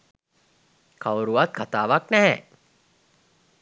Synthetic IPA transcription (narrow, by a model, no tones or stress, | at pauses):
kʰawɾuʋat̪̚kʰat̪aːʋaknɛɦɛ